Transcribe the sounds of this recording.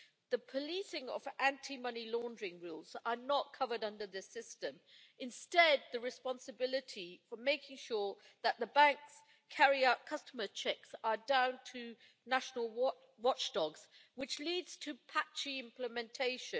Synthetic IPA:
ðəpʰəlisɪ̃ŋə̰væ̃ntʰimʌnilɔ̃ndəɹɪ̃ŋɹulˠz̥ə˞nət̚kʰʌvəɾʌ̃ndə˞ðɪsɪstə̃m | ɨ̃nstɛd̪̚ðəɹɨspɑ̃nsɨbɪlˠɪtʰifəmeɪkɪ̃ŋʃʊːɹ | ðəʔ̪̚ðəbæ̃ŋks | kʰæɹiaʊt̚kʰʌstəmət͡ʃʰɛksə˞dãʊ̃ntʰə | næʃənəl̩ˠ | wɑt͡ʃd̥ɔɡz̥wɨt͡ʃliːdz̥tʰəpʰat͡ʃiɪ̃mpʰləmɛ̃ntʰeɪʃɨ̃

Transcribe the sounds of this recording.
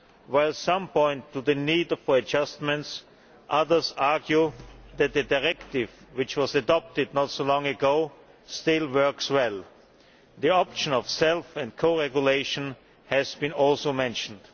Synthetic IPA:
waɪlˠsʌ̃mpʰɔ̃ɪ̃ntʰːuðɨniːdfəɨd͡ʒʌstmɨ̃nts | ʔʌðə˞zaɹɡjuðɨt̪̚ðɨdaɪɹɛktɪvwɪt͡ʃwʌzɨdɑp̚tɨd̚ⁿnɔtsoʊlɔ̃ŋɨɡoʊ | stɪlˠwɜ˞kswɛlˠ | ðiɑpʃə̃nɔvsɛlˠfɨ̃ndkʰoʊɹɛɡjuleɪʃə̃n | hɨzbĩnɔlˠsoʊmɛ̃nʃn̩d̥

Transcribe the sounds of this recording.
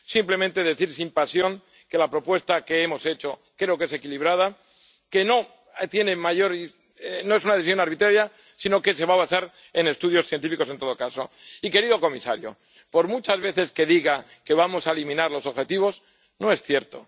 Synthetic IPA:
simple̞mẽnt̪e̞ðe̞θiɾsimpasjo̞ŋ | ke̞lapɾo̞pwe̞st̪ake̞emo̞se̞t͡ʃo̞kɾeoke̞se̞kiliβ̞ɾað̞a | ke̞no̞ | t̪je̞ne̞maʝo̞ɾi | no̞e̞sunaðθisjo̞naɾβ̞it̪ɾaɾja | sino̞ke̞se̞βaβasaɾ | e̞ne̞st̪uðjo̞sθje̞nt̪ifiko̞s̬ent̪o̞ðo̞kaso̞ | ike̞ɾiðo̞ko̞misa̰ɾjo̞̰ | po̞ɾmut͡ʃazβe̞θe̞ske̞ðiɣake̞βamo̞saelimĩnaɾlo̞soβxe̞t̪iβ̞o̞s | no̞e̞sθje̞ɾt̪o̞̰

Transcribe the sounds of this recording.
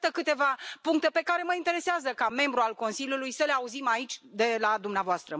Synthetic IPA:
t̪əkɨt̪e̞vapuŋk̚t̪e̞pe̞kaɾe̞məint̪e̞ɾe̞seazəkame̞mbɾualko̞nsiljulujsəleauzimait͡ʃʲd̪e̞lad̪umneavoast̪ɾə

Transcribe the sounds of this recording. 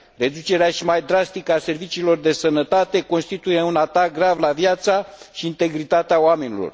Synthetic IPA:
re̞d̪ut͡ʃe̞ɾeaʃimajd̪ɾast̪ikase̞rvit͡ʃiːlo̞rd̪e̞sənət̪at̪e̞ko̞nst̪it̪uje̞unat̪ak̚ɡɾavlavjat̪saʃiːnt̪e̞ɡɾit̪at̪eaoame̞nilo̰r

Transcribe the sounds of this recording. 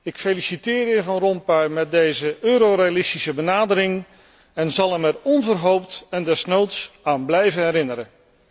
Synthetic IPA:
ɪkfelisitɪːɾɪvɑnrɔmpaɥmɛt̚dejzəøːɾorejalɪstisəbənaːdəɾɪŋ | ɛnzɑlˠɛmɛrɔnvərɦowptɛndɛsnowtsaːnblɛjvənɦɛɾɪnəɾə

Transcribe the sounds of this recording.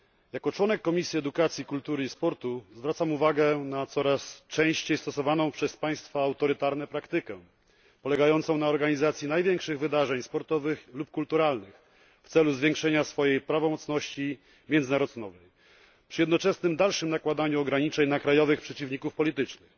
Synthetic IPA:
jakɔt͡ʂwɔnɛkːɔmʲisʲjiɛd̪ukat̪sʲjikult̪uɾɘispɔɾt̪uzvɾat̪samuvaɡɛnat̪sɔɾast͡ʂɛ̃w̃ɕt͡ɕejst̪ɔsɔvanɔ̃w̃pʂɛspaj̃st̪faːwt̪ɔɾɘt̪aɾn̪ɛpɾakt̪ɘkɛ | pɔlɛɡajɔnt̪sɔ̃w̃naɔɾɡaɲizat̪sʲjinajvʲjɛŋkʂɘɣvɘd̪aʐɛɲspɔɾt̪ɔvɘxlup̚kult̪uɾalnɘx | ft̪sɛluzvʲjeŋkʂɛɲasfɔjejpɾavɔmɔt̪snɔɕt͡ɕi | mʲjɛnd̪ɘnaɾɔznɔvɛj | pʂɨjɛd̪nɔt͡ʂɛsnɘmd̪alʂɘmnakwad̪aɲuɔɡɾaɲit͡ʂɛɲnakɾajɔvɘxpʂɛt͡ɕivɲikufpɔlʲit̪ɘt͡ʂnɘx

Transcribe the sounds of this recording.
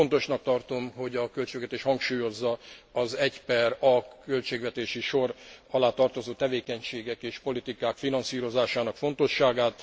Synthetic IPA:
ont̪o̞ʃnɒk̚t̪ɒrt̪o̞mɦo̞ɟɒkølt͡ʃeːɡʋɛt̪eːʃhɒŋkʃuːjo̞zːɒɒzɛcpɛrɒkølt͡ʃeːɡʋɛt̪eːʃiʃo̞rɒlaːt̪ɒrt̪o̞zoːt̪ɛveːkɛɲʃeːɡɛkeːʃpo̞lit̪ikaːkfinɒnsiːɾo̞zaːʃaːnɒkfo̞n̪t̪o̞ʃːaːɡaːt̪

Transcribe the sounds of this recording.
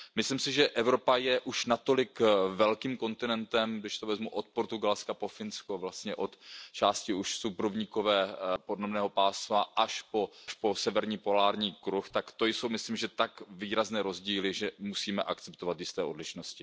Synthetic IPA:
mɪslimsɪʒɛʔɛvɾo̞pajɛʔuʃnat̪o̞lɪkvɛlkiːmko̞nt̪ɪnɛnt̪ɛmɡdɪʃt̪ovɛzmuʔot̪̚poɾt̪uɡalskapo̞fɪnskovlast̪ɲɛʔo̞t̪t͡ʃaːscɪuʃsupɾovɲiko̞vɛːpodnomnɛːɦo̞paːslaʔaʃpo̞ʃpo̞sɛvɛɾɲiːpo̞laːɾɲiːkɾuxt̪akt̪o̞jso̞wmɪslimʒɛt̪akviːɾaznɛːɾo̞zɟiːlɪʒɛmusiːmɛʔakt͡sɛpt̪ovat̪jɪst̪ɛːʔodlɪʃnoscɪ

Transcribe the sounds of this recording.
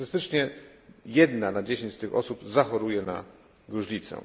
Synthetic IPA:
ɘst̪ɘt͡ʂɲɛjɛd̪nanad͡ʑeɕẽɲt͡ɕst̪ɘxɔsubzaxɔɾujɛna̰ | ɡɾuʐlʲit̪sɛ̰

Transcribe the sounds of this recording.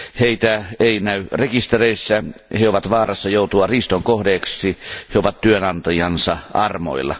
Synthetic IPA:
heit̪æeˑinæyrekist̪ereisːæheoʋɑt̪ʋɑːrɑsːɑjoˑut̪uɑriːst̪oŋkohdeːksˑiheoʋɑt̪t̪yønɑnt̪ɑjɑnsɑʔɑrmo̰ilːɑ̰

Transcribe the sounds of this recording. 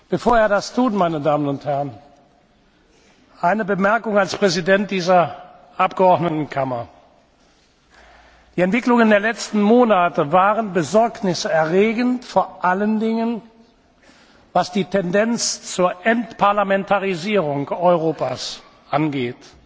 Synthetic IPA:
b̥əfoːɐeːɐdastʰuːtmaɪnədaːmənʊnthɛʁən | ʔaɪnəbəmɛɐkʊŋalspʁ̥ɛzidɛnt̚d̥iːzɐ | ʔapɡ̥əɔɐdnətn̩kʰamɐ | d̥iːɛntv̥ɪklʊŋəndeːɐlɛt͡stn̩moːnatəvaːʁənbəzɔɐknɪsəɛɐʁeːɡəntfoːɐʔaləndɪŋən | vasd̥iːtʰɛndɛnt͡st͡suːɐʔɛntpʰaɐlamɛntʰaʁiziːʁʊŋkɔʏʁoːpa̰s | ʔanɡeːt

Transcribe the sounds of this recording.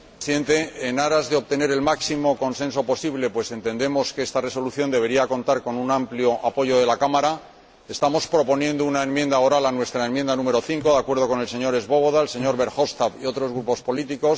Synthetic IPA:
siðe̞nt̪e̞ːnaɾazðeoβt̪e̞ne̞ɾe̞lmaksimo̞ko̞nsẽ̞ns̬o̞po̞siβle̞pwe̞se̞nt̪e̞nd̪e̞mo̞skeest̪are̞so̞luθjo̞nd̪e̞βe̞ɾiako̞nt̪aɾko̞nunampljo̞ʔapo̞ʝo̞ðe̞lakamaɾa | est̪amo̞spɾo̞po̞njẽ̞nd̪ounaenmjẽnd̪aoɾalanwe̞st̪ɾaenmjend̪anũme̞ɾo̞θiŋko̞ðakwe̞ɾðo̞ko̞ne̞lse̞ɲo̞ɾe̞zβo̞βo̞ðaelse̞ɲo̞ɾβe̞ɾxo̞st̪aβio̞t̪ɾo̞zɣɾupo̞spo̞lit̪iko̞s

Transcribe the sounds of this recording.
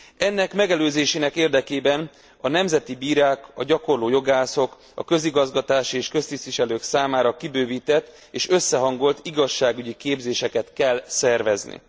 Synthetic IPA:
ɛnːɛkmɛɡɛløːzeːʃeːnɛkeːrd̪ɛkeːbɛn | ɒnɛmzɛt̪ibiːɾaːkɒɟɒko̞rloːjo̞ɡaːso̞k | ɒ̰kø̞ziɡɒzɡɒt̪aːʃieːʃkø̞st̪ist̪ʋiʃɛløːksaːmaːɾɒkibøːviːt̪ɛt̪ː | eːʃø̞sːɛɦɒŋɡo̞lt̪iɡɒʃːaːɡyɟikeːbzeːʃɛkɛt̪kɛlsɛrvɛznḭ

